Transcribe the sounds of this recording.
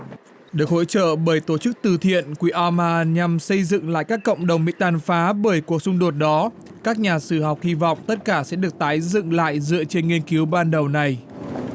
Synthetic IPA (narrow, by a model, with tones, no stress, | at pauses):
ɗɨ˨˩ək̚ho̰˧˥t͡ɕə̰ː˧˨ɓəː˧˩jt̪o˧˩t͡ɕɨ˦˥k̚t̪ɨ˨˩t̪ʰḭ˧˨ənkwi˧˨˦ʔaː˧maː˧˩ɲa˧msə˧jzɨ̰˧˨ŋla̰ː˧˨jkaː˦˥kːə̰˧˨wŋ͡mɗə˨˩wŋ͡mmḭ˧˥t̪aː˧˩nfaː˨˦ɓəː˧˩jku˨˩ək̚sʊ˧ŋ͡mɗo˨˩t̚ɗɔ˨˦ | kaː˦˥k̚ɲaː˨˩sɨ˧˩ɦɔ˨˩wk͡p̚hi˧vɔ̰˧˨wŋ͡mt̪ə˦˥t̚kaː˧˩sɛ̰˧˥ɗɨ˨˩ək̚t̪aː˨˦jzɨ̰˧˨ŋla̰ː˧˨jzɨ̰˧˨ət͡ɕe˧nŋi˧ənki˨˦wɓaː˧nɗə˨˩wna˨˩j